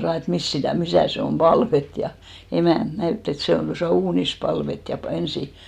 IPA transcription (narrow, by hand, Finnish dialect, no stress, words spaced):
sɑː et mist sitæˑ misæˑ se om b̥ɑlʋet jɑ emæˑnt næytː et se on tosɑˑ uːnis pɑlʋet jɑ pɑ ensi